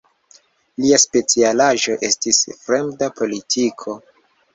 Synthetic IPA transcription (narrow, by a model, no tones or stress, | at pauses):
liaspe̞t͡sialaʒo̞ʔe̞stisfɾe̞mdapo̞litʰikʰo̞